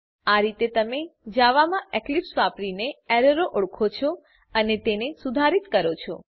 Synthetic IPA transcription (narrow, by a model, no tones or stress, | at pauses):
aɾit̪et̪əmed͡ʒaʋamãʔɛklipsʋapɾineɛɾəɾoʔʊɭkʰot͡ʃʰɔ | ənet̪enesud̪ʱaɾit̪kəɾot͡ʃʰɔ̰